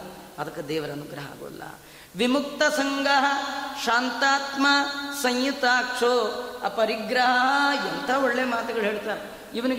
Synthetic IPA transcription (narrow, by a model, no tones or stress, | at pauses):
ɐd̪ɐkːɐd̪ɛːʋɐɾɐːnuɡɾɐɦɐa̰ːɡo̰ʋɐ̰lːɐ̰ | ʋimuk̚t̪ɐsɐŋɡɐɦɐʃaːnt̪aːt̪maːsɐŋjut̪aːkʂoːɐpɐɾiɡɾɐɦɦɐent̪ʰaoɭːejɐmaːt̪ɐɡɐɭɦeːɭt̪aːɾe | iʋɐni